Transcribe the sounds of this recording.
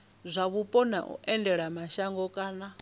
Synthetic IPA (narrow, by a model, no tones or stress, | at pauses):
zʷaβupʼɔna̰ʔṵʔɛndɛɺamaʃaŋɡɔkʼaːna